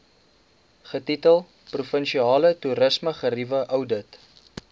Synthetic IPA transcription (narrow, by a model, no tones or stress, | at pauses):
χətitəlˠ | prufənʃiɑːlətuɾəsməχərivəʔəwdət